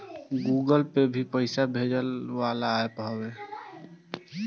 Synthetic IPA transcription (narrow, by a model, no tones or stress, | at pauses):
ɡuːɡəlpebʱipəɪsabʱed͡ʒəlʋalaːepəɦwe